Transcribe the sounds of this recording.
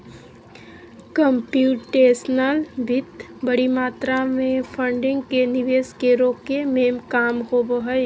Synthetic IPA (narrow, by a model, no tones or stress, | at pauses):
kəmpjuːʈːeːsnəlbʱɪt̪ | bəɽimaːt̪ɾamẽpʰə̃ɳɖɪ̃ŋɡkenɪʋeːskeɾoːkemẽːmkaːmɦoboɦəj